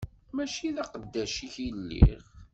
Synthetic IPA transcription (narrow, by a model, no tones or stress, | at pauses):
mæʃiðɑqəd̪ːæʃiçilːḭʁ